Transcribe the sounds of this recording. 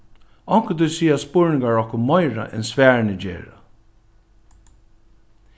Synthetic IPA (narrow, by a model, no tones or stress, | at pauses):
ɔŋkət̪usiːaspʊɹnɪŋɡaɹɔhkʊmmɔɪɹa̰ʔɛ̰nsvæːɹnəd͡ʒḛːɹa